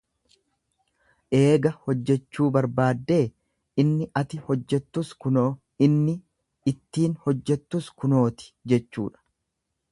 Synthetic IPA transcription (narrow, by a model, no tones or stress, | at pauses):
ʔe̞ːɡɐhɔd͡ʒːɛt͡ʃːuːbɐɾbaːd̪ːe̞ː | ɪnːɪʔɐt̪ɪhɔd͡ʒːɛt̪ːʊsʊ | ɪnːɪ | ɪt̪ːiːnhɔd͡ʒːɛt̪ːʊskʊno̞ːt̪ɪ̥d͡ʒɛt͡ʃːṵːᶑɐ̥